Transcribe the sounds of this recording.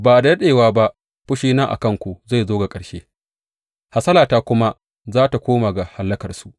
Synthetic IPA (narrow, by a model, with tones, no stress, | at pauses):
baː˨da˨˦ɗeː˨waː˦ba˦ʔ | ɸʊ˦ʃiː˦naː˦ʔa̰˨kɐ˦ŋkʷu˨za˦˨jzoː˦ɡa˨kʼɐ˨ɽʃeː˦ | ha˨sɐ˦laː˨taː˦kʷʊ˦ma˦ | zaː˦ta˨kʷoː˦ma˨ɡa˨ha˨lːɐ˦kɐ˨rsu˨ʔ